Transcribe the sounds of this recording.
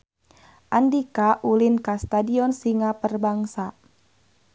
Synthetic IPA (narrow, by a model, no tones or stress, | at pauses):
ʔandikaʔulinkast̪adiɔnsiŋapərbaŋsa